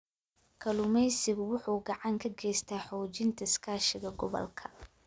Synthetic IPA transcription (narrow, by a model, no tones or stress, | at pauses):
kʰɐlʊmɛjsɪɣʊwʊħuːɡɑʕɑŋkʰɐɡɛjst̪ʰaːħɔːt͡ʃɪnt̪ʰɐɪskʰaːʃɪɣɐɡɔβɔ̰lkʰɐ̥